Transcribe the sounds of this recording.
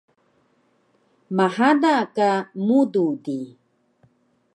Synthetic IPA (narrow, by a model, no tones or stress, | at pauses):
mahadakamududi